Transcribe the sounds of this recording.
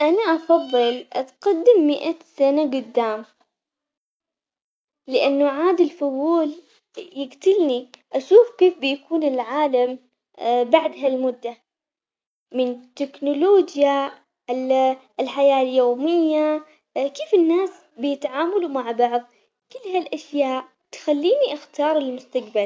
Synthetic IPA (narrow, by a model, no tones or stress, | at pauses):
ʔanaʔɑfɑðˤːɨlʔat̪qad̪ːɪmːɪʔasanaɡʊd̪ːaːm | lɪʔanːuʕaːd̪ɪlfʊðuːl | jɪɡt̪ɪlniʔaʃuːfkeːfbɪjakuːnɪlʕaːlam | baʕd̪ɦalmʊd̪ːa | mɪnt̪ɪknʊloːd͡ʒja | ɪl | ɪlħajaːljoːmɪjːa | keːfɪnːaːs | bɪjɪt̪ʕaːmalumaʕbɑʕðˤ | kɪlːɦalʔaʃjaːʔ | t̪xalːiːniʔaxt̪ɑːɾˤɪlmʊst̪akbal